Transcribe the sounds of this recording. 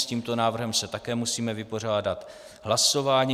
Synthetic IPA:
sciːmt̪o̞naːvr̩ɦɛmsɛt̪akɛːmusiːmɛvɪpo̞r̝aːdat̪ | ɦlaso̞vaːɲi

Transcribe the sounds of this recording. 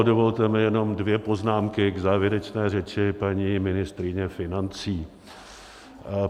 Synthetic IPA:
dovo̞lt̪ɛmɪjɛno̞mdvjɛpo̞znaːmkɪɡzaːvjɛɾɛt͡ʃnɛːrɛt͡ʃɪpaɲiːmɪnɪst̪ɾɪɲɛfɪnant͡siː

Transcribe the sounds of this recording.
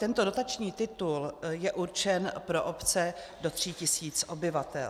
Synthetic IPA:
t̪ɛnt̪o̞do̞t̪at͡ʃɲiːt̪ɪt̪uljɛʔuɾt͡ʃɛnpɾoʔopt͡sɛ | do̞t̪r̝̥icɪsiːt͡sʔo̞bɪvat̪ɛ̰l

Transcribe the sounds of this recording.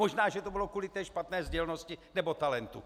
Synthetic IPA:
oʒnaːʒɛt̪obɪlo̞kulɪt̪ɛːʃpat̪nɛːzɟɛlno̞scɪnɛbo̞t̪alɛnt̪ṵ

